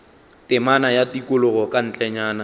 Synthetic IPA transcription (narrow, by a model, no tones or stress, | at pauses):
tʼɪmanajatikʼʊlʊɣɔkʼan̩t͡ɬʼɛɲaːna